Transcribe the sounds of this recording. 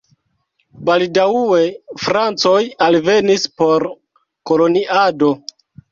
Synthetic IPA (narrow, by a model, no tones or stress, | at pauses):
baldaue̞fɾant͡so̞jalve̞nispo̞ɾ | ko̞lo̞niʔado̞